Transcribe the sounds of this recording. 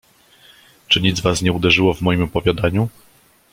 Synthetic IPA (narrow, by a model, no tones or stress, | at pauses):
t͡ʂɘɲid̪zvasɲɛud̪ɛʐɘwɔvmɔjimɔpɔvʲjad̪aɲu